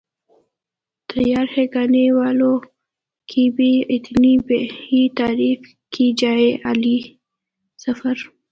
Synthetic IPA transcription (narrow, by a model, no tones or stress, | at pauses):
t̪ʰajɑɾheɡɑnewɑlo | kʰibiɪt̪nibeit̪ɑɾif | kʰid͡ʒaeʔali | safaɾ